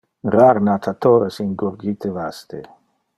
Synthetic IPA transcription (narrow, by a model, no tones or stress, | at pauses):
raɾnat̪ʰat̪oːɾesiŋɡuɾɡit̪evast̪e